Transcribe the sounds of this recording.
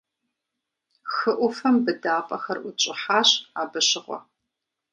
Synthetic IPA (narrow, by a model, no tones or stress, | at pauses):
xɨʔʷʊfɐmbɨdaːpʼɐxɐrʔʷʊt͡ʃʼɪħaːɕaːbɨɕɪʁʷɔ̰